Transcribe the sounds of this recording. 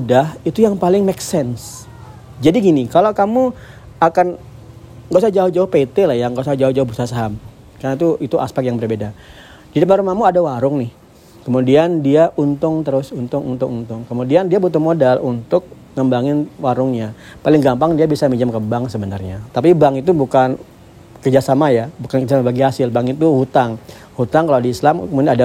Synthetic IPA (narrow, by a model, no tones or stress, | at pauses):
udahit̪ujaŋpalɪŋmeksɛns | d͡ʒadiɡinikalokamu | akan | ɡasad͡ʒaʊhd͡ʒaʊhpet̪elahjaŋɡasad͡ʒaʊd͡ʒaʊhbərsasaɦam | kanat̪uʔit̪uʔa̰spɛk̚t̚jaŋbərbeda | didəmaɾumahmuadawaɾʊŋnɪh | kəmudiandiaʔunt̪ʊŋt̪əɾʊsunt̪ʊŋunt̪ʊŋunt̪ʊŋkəmudiandiabut̪ʊhmodalunt̪ʊk̚ | ŋəmbaŋɪnwaɾʊŋɲa | palɪŋɡampaŋdiabisamid͡ʒamkəbaŋsəbənarɲat̪ap̬ibaŋit̪̬ubukan | kərd͡ʒasamajabukankərd͡ʒasamabaɡiɦasɪlbaŋit̪uhut̪aŋ | hut̪aŋkaladiːslamkəmudianada